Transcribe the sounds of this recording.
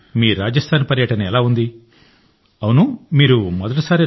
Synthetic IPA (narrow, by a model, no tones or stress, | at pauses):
miːɾaːd͡ʒɐst̪ʰaːnpɐɾjɐʈɐnɐɛlaːund̪i | ɐwunumiːɾumɔd̪ɐʈ̬isaːɾi